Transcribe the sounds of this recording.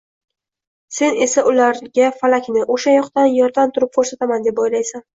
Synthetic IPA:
se̞ne̞saʔʊlaɾɡʲafalakʲnɪʔoʃajɒqt̪anjɒɾd̪amt̪ʰʊɾɪp̚kʰoɾsat̪amand̪e̞pojlajsan

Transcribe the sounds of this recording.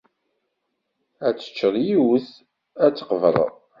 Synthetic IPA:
æt͡sːə̥t͡ʃːəðˤjiwəθ | æt͡sːə̥qəvəɾ̰ˤ

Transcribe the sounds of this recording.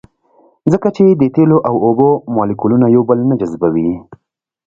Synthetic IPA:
zəkat͡ʃed̪ət̪eloʔawobomɑlikulunajawbəlnad͡ʒazbawi

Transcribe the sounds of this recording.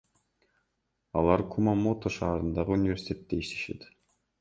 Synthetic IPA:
ɑlˠɑɾkʰumamot̪oʃɑːɾɯnd̪ɑʁɯunʲɪvʲesʲi̥t̪ʲʰe̞t̪ːeiʃt̪e̞ʃe̞̰t̪

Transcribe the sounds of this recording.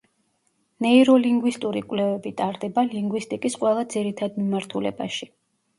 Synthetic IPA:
nɛiɾɔliŋɡwist̪ʼuɾikʼwlɛvɛbit̪ʼaɾd̪ɛbaliŋɡwist̪ʼikʼisqʼwɛlˠad̪ziɾit̪ʰad̪mimaɾt̪ʰulɛ̰baʃi

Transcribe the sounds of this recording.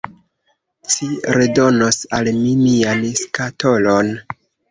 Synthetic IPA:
t͡ʃiɾedo̞nosalminianskato̞lon

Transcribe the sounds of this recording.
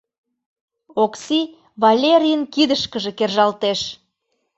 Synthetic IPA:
oksi | βɑlʲeɾʲijənkid̪əʃkəʒĕkerʒɑlt̪eʃ

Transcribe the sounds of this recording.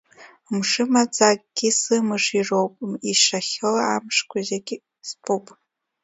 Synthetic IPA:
mʂɨmad͡zakʼɡ̥ʲisɨmɨʂirowpʼmiʂaχʲɨlaamʂkʷʰʼazeɡʲ | spʼupʼ

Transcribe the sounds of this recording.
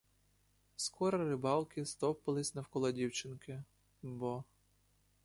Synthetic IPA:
skɔɾɐɾɪbɑlˠkɪst̪ɔpɪlˠɪsʲnɐwkɔlˠɐdʲiwt͡ʃɪnkɪ | bɔ

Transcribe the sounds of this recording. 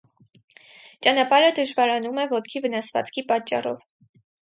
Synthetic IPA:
t͡ʃɑnɑpɑɾəd̪əʒvɑɾɑnumɛvɔt̪kʰivənɑsvɑ̰t͡skʰipɑt͡ʃːɑ̰rɔ̰v

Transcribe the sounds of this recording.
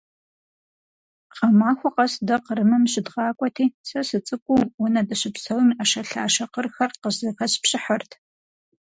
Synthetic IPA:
qɐmaːxʷɔqɐsdɐqəɾɨmɐmɕɪdʁɑːkʷʼɔtʰiːsɐsɨt͡sʼɨkʷʼuwɔnɐdɐɕɪpsɐwɨmɐʃɐɬa̰ːʃɐqərxɐrqəzɐxɐɕpɕʼɪħɐrtʰ

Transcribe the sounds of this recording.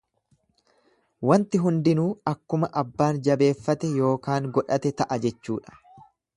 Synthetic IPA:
wɐnt̪ɪɦʊnd̪ɪnuːɐkːʊmɐʔɐbːaːnd͡ʒɐbe̞ːfːɐt̪ɛjo̞ːkaːŋɡɔᶑɐt̪ɛt̪ɐʔɐd͡ʒɛt͡ʃːuːᶑɐ̥

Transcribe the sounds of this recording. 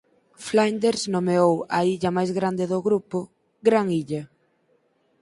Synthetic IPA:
flajnd̪eɾsnomeowɐiʎɐmajzɣɾand̪ɪðʊɣɾupʊ | ɡɾaŋiʎɐ

